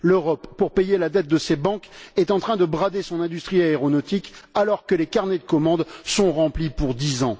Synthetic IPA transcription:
løʁɔpːuʁpejelad̪ɛt̪̚d̪əsebɑ̃kɛt̪ɑ̃t̪χɛ̃d̪əbʁad̪esɔ̃nɛ̃d̪yst̪χiaeʁɔnɔt̪ikalɔʁkəlekaʁned̪əkɔmɑ̃d̪sɔ̃ʁɑ̃plipuʁd̪izɑ̃

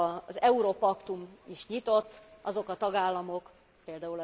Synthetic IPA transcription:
zɛuɾopɒkt̪umiʃɲit̪o̞t̪ːʔɒzo̞kɒt̪ɒɡaːlːɒmo̞k | peːld̪aːulɒ

